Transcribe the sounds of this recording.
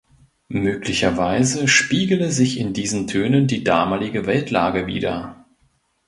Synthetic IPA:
møːklɪçɐvaɪzəʃpiːɡl̩əzɪçɪndiːzən̩tʰøːnəndiːdaːmaːlɪɡəvɛltlaːɡəvḭːdɐ̰

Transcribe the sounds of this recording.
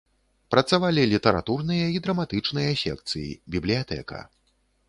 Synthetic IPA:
pɾɐt̪savalʲilʲit̪ɐɾa̰t̪urnɨjɐid̪ɾɐmat̪ɨt͡ʂnɨjɐsʲɛ̰kt̪sɨ̰jḭbʲiblʲijat̪ɛ̰kɐ̰

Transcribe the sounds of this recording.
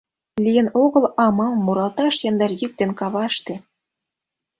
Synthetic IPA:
lʲijə̆noɣə̆lɑmɑmmːuɾɑlt̪ɑʃjɑnd̪ɑrjyk̚t̪enkɑβɑʃt̪ĕ

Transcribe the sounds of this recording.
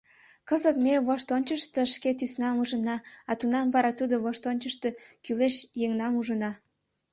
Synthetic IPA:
kəzət̪meβoʃt̪onʲt͡ɕəʃt̪əʃket̪ysnɑmuʒənɑɑt̪unɑmβɑɾɑt̪ud̪oβoʃt̪onʲt͡ɕəʃt̪əkyleʃjeŋnɑmuʒənɑ

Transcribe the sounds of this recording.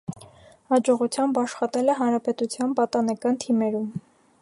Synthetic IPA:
hɑd͡ʒɔʁut͡sʰjɑmbɑʃχɑt̪ɛlɛɦɑnɾɑpɛt̪ut͡sʰjɑnpɑt̪ɑnɛkɑnt̪ʰimɛɾum

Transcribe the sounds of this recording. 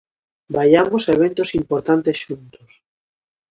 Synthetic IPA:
bajamosaeβ̞ent̪osimpoɾt̪ant̪esʃunt̪os

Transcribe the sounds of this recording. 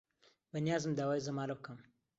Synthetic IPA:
bɐnijaːzɨmd̪aːwaːjzɐmaːlɐb̚kʰɐm

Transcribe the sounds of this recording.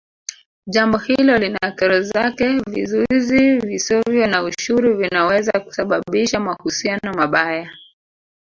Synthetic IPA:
ʄambɔhilɔlinakɛɾɔzakɛvḭzuizivisɔvjɔnauʃuɾuvinawɛzaku̥saɓaɓiʃamahusianɔmaɓaja

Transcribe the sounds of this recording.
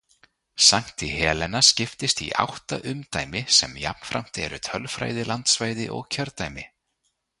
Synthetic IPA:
saŋ̥t̪ihɛːlɛnːascɪft̪ɪst̪ḭʔa̰wht̪aʔʏmt̪aːjmɪsɛmja̰pn̥fɾam̥t̪ɛ̰ɾʏt̪ʰœlfɾa̰ːjðɪlant̪svaːjðɪʔɔ̰ɣcʰœɾt̪ajmɪ

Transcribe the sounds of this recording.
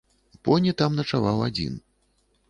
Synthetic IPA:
pɔnʲɛt̪amnɐt͡ʂavawad͡zʲḭn

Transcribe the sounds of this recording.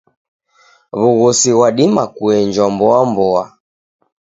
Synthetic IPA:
βuɣɔsiwaɗimakuɛɲd͡ʒambɔambɔa

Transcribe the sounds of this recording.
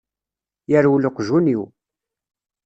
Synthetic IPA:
jəɾwləqʒuniw

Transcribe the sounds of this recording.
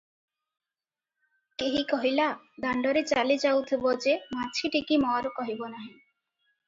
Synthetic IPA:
keɦikɔɦila | d̪aɳɖɔɾet͡ɕalid͡ʑawt̪ʰebod͡ʑemat͡ɕʰiʈikimɔaɾokɔɦibonaɦĩ

